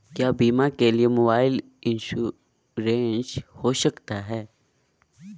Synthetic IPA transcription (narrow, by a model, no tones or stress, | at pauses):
kjaːbiːmakeliemoːbaːɪl | ɪ̃nʃu | ɾẽːnshoːʃɐkt̪aɦɛː